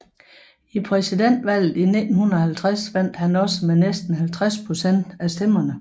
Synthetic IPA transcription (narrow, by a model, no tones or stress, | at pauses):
ipʰʁɛsid̥en̰d̥ʋæl̰ð̩ˠinid̥n̩hunɐhælt͡sʰʁasʋæn̰d̥hænɒ̽səmenesd̥n̩hælt͡sʰʁaspʰʁo̝sen̰d̥æsd̥em̰ɐnə